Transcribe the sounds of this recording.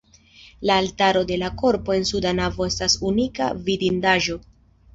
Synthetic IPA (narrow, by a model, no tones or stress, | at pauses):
laːltaɾo̞de̞lako̞ɾpo̞e̞nsudanavo̞e̞stasunika̰vidindaʒo̞